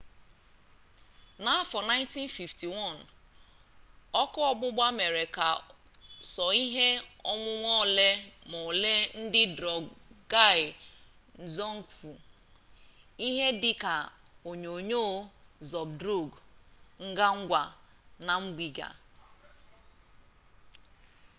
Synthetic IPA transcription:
na˨a˦fɔ˨na˦ɪ˦nti˦nfi˨fti˨wɔ˦˨n | ɔ˦kʊ˦ɔ˦bʊ˦ɡ͡ba˦me˨ɾe˨ka˨ | sɔ˨i˦ɦe˦ɔ˦mʊ˦ŋʷɔ˦˨le˦mɔ˨le˦n̩˦dɪ˦dɾɔ˨ɡɡa˦˨ɪ˨ | n̩˨zɔ˦ŋ̩˨fu˨ | i˦ɦe˦dɪ˦ka˨ | o˨ɲo˨ɲo˦˨zɔ˨bdɾo˦˨ɡŋ̩˦ɡa˦ŋ̩˦ɡʷa˨ | na˨ŋ͡m̩˦ɡ͡bi˨ɡa̰˨

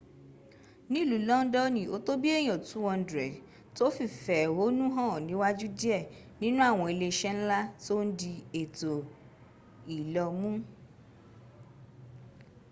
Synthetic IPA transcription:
nĩ˦i˦˨lu˨˦lɔ̃˦n̩˦dɔ˦nĩ˨o˨˦to˦bi˦ɛ˦˨j̃ɔ̃˨tũ˨˦wɔ̃˧n̩˦dɾɛ˨ | to˦fi˦˨fɛ˨wo˨˦nũ˦ɦã˦˨nĩ˨˦wa˦d͡ʒu˦di˦ɛ˦˨ | nĩ˦nũ˦a˦˨w̃ɔ̃˧e˧le˧ʃɛ˦n̩˦la˦to˦n̩˦di˧e˨to˨ | i˨lɔ˧mũ˦

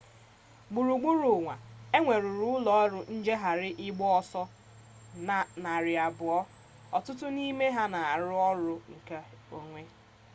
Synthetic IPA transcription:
ɡ͡bu˨ɾu˨ɡ͡bu˦ɾu˨ŋʷa˨e˦ŋʷe˨ɾʊ˨ɾʊ˦ʊ˦lɔ˨˦ɔ˦ɾʊ˦n̩˦d͡ʒe˦ɦa˨ɾɪ˦ʔɪ˦ɡ͡bɔ˦ɔ˦sɔ˦ | na˨ɾɪ˨a˨bʊ˨ɔ˦ | ɔ˨tʊ˦tʊ˦ni˦me˦ɦa˦na˨a˨ɾʊ˦ɔ˦ɾʊ˦ŋ̩˨ka˦o˦ŋʷe˦

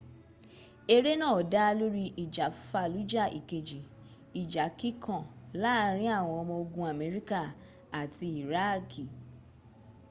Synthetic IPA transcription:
e˧ɾe˦nãː˦˨da˦˧lu˦ɾi˦˧ʔi˨d͡ʒa˨˦fa˧˨lu˨˦d͡ʒa˦˨ʔḭ˨ke˨d͡ʒi˨ | i˨d͡ʒa˨˦ki˦kʰɔ̃˦˨la˦ɾ̃ĩ˦a˦˨w̃ɔ̃˧ɔ˧mɔ̃˧o˧ɡũ˧˦a˨me˨˦ɾi˦ka˦˨ | a˨ti˧i˨ɾa˦˨ki˨

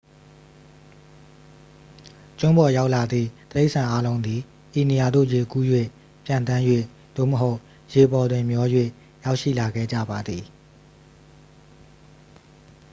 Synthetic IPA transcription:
t͡ɕʊ̃˦mbɔ˨ja˦ʊʔla˨d̪ðḭ˦˨t̪ə˨e˦ɪʔsʰã˨ʔa˦lõ˦ʊ̃nd̪ði˨ | ʔi˨ni˨ja˨d̪o̰˦˨je˨ku˦jwe˦˨ | pjã˨nt̪ã˦jwḛ˦˨ | d̪̥o̰˦˨məɦo˦ʊʔ | je˨bɔ˨dwɪ̃˨mjɔ˦jwḛ˦˨ | ja˦ʊʔʃḭ˦˨la˨ɡɛ̰˦˨d͡ʑa̰˦˨ba˨d̪ði˨

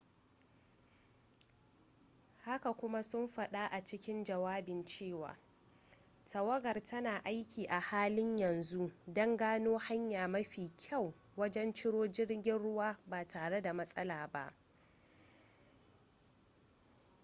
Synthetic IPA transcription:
ha˦ka˨kʷʊ˦ma˦sʊ˦mɸɐ˨ɗa˦ʔa˨t͡ʃɪ˦kʲɪ˦nd͡ʒɐ˨waː˦bɪ˨nt͡ʃeː˦˨wa̰ː˨ | tɐ˨wɐ˦ɡɐ˨rtʰɐ˦naː˨ʔa˦jkʲiː˨ʔa˨haː˦lɪ˦ɲjɐ˨nzu˦ʔdɔ˦ŋɡaː˦noː˦ha˦ɲjaː˨mɐ˦ɸiː˨kʲʰa˦˨w | wɐ˦d͡ʒɛ˦nt͡ʃɪ˦ɽoː˦d͡ʒɪ˦ɽɡʲɪ˦nɽʊ˦waː˦baː˨tʰaː˨ɽe˦da˨mɐ˦sʼɐ˦laː˨ba̰˦ʔ

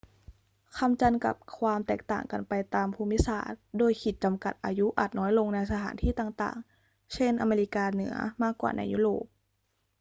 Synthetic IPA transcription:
kʰa˧mt͡ɕa˧nka̰˨˩p̚kʰwaː˧mt̪ɛː˨˩k̚t̪a̰ː˨˩ŋka˧npa˧jt̪aː˧mpʰuː˧mi˦˥sa̰ː˨˩t̪̚doː˧jkʰi˨˩t̪̚t͡ɕa˧mka̰˨˩t̪̚ʔa̰ː˧ju˦˥ʔa̰˨˩t̪̚nɔː˦˥jlo˧ŋna˧jsa˧aː˩˦nt̪ʰiː˥˩t̪aː˨˩ŋt̪a̰ː˨˩ŋ | t͡ɕʰe˥˩nʔa˧meː˧li˦˥kaː˧nɯ̰˩˦ɐmaː˥˩kːwa̰ː˨˩na̰˧jːṵ˦˥ɾo̰ː˨˩p̚

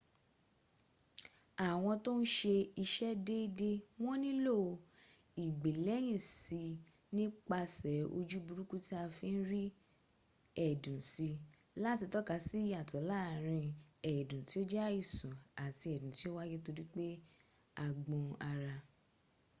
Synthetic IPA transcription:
a˨w̃ɔ̃˧to˦n̩˦ʃe˧i˧ʃɛ˦de˦de˦w̃ɔ̃˦nĩ˦lo˦˨˧ | i˨ɡ͡be˨lɛ˨˦j̃ĩ˦˨si˨˧ | nĩ˦k͡pa˧sɛ˨˦o̰˧d͡ʒu˦bu˨˧ɾu˦ku˦ti˦a˧fi˧˦n̩˦ɾi˦ | ɛ˦˨dũ˨si˧ | la˦ti˧tɔ˦ka˨˧˦si˦ja˨tɔ˨˦laː˦˨ɾ̃ĩ˧ɛ˨dũ˨ti˨˦o˦d͡ʒa˦i˦˨sũ˨a˨ti˧ɛ˨dũ˨ti˨˦o˦wa˦ɡe˦to˧ɾi˦k͡pe˦ | a˧˨ɡ͡bɔ̃˧a˧ɾa˧

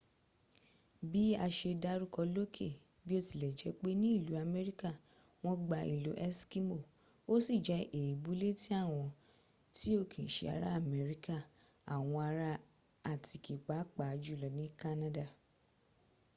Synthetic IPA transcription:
bi˦a˧ʃe˧da˦ɾu˦kɔ˧lo˦kʰe˦˨ | bi˦o˦ti˨lɛ˨d͡ʒɛ˧˦k͡pe˦nĩ˦i˦˨lu˨˦a˧me˦ɾi˦ka˦˨ | w̃ɔ̃˧ɡ͡ba˧ḭ˨lo˨˦ʔɛ˦ski˦mo˦˨ | o˦si˦˨d͡ʒɛ˧˦ʔe˨ji˨bu˨˦le˦ti˦a˦˨w̃ɔ̃˧ | ti˦o˦˨kʰĩ˨ʃḛ˧a̰˨ɾa̰˦a˦˨mɛ˨˦ɾi˦ka˦˨ | a˨w̃ɔ̃˧a˧ɾa˧˦ | a˨ti˨ki˨k͡pa˨˦k͡pa˨˧d͡ʒu˦˨lɔ˨nĩ˦ka˦nã˦da˦˨

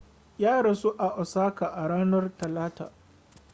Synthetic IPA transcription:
jaː˦ɽɐ˨su˦ʔa˨ʔɔ˨saː˦ka˨ʔa˨ɽaː˦nɐ˦rtɐ˨laː˦ta̰ː˨

